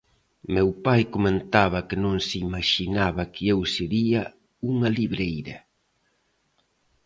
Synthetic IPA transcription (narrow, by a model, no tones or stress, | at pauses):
mewpajkoment̪aβɐkɪnõŋsɪimaʃinaβɐkɪewseɾiɐ | uŋɐliβɾejɾɐ